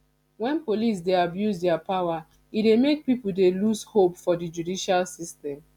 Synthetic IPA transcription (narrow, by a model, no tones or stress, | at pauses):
wɛ̃npolis̬deabjuzdɛapawa | idemek̚pipuldelushopfɔdid͡ʒudiʃalsistɛ̃m